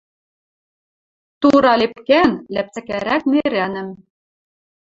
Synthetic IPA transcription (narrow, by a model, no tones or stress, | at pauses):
t̪uɾɑlepkænlæp̚t͡sæ̆kæɾæk̚meɾænɘ̆m